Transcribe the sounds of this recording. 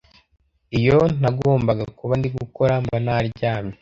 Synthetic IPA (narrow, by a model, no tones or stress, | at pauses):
ijo̞n̥aɡo̞ːmbaɡakuβandiɡuko̞ɾambanaɾɟaːme